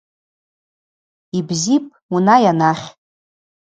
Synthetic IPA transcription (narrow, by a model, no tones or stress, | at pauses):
ibzipʼunajanaχʲʼ